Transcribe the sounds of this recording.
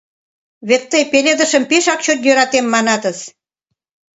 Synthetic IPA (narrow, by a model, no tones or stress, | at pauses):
βet̪ːəjpelʲed̪ə̆ʃəmpeʃɑkt͡ɕot̪jøɾɑt̪emːɑnɑt̪əs